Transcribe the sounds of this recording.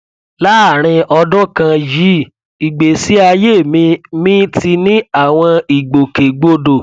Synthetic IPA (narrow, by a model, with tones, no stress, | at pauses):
la˦˨ɾ̃ĩ˧ɔ˧dɔ̃˦kã˧ji˨˦ | i˨ɡ͡be˨si˦a˧je˦˨mĩ˧mĩ˦ti˧nĩ˦a˦˨w̃ɔ̃˧i˨ɡ͡bo˨ke˨ɡ͡bo˧do˨